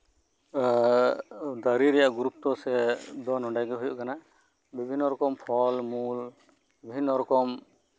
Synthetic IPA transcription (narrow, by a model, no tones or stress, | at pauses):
d̪aɾiɾɛjaʔɡuɾup̚t̪ɔsɛd̪ɔnɔɳɖajɡɛɦujṵʔkana | bibʱinːɔɾɔkɔmpʰɔlmul | ibʱinːɔɾɔkɔm